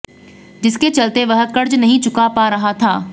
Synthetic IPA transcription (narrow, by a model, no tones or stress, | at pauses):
d͡ʒɪsket͡ʃɐlt̪eʋɐɦət̪̚kəɾd͡ʒnɐɦĩt͡ʃʊkapaɾɐɦat̪ʰaː